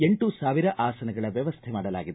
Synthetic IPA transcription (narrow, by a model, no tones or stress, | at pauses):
e̞ɳʈusaːʋiɾɐʔaːsɐnɐɡɐɭɐʋjɐʋɐst̪ʰɛmaːɽɐla̰ːɡid̪